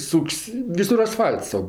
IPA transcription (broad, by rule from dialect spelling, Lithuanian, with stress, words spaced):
ˈsʊkʲsʲ ˈʋʲɪsʊr ɐsˈfɐlʲts tɐʊ